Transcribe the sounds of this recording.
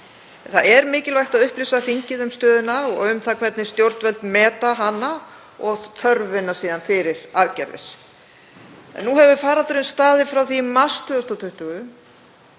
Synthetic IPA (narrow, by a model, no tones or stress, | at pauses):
nθaðɛɾmɪːcɪlvajht̪aðʏhplɪsaθiɲcɪðʏmst̪œːðʏnaɔʏmθakʰvɛt̪nɪst̪jowɾt̪nvɛlt̪mɛːt̪aɦanːa | ɔɣt̪ʰœɾvɪnːasiːðanfɪɾɪɾ̥aðcɛɾðɪ̰s | ɛ̰nːuɦɛvvɪfaːɾat̪ɾɪnst̪aːðɪfɾawθimast̪ʏðʏst̪ɔt̪ʰʏht̪ʏɣʏ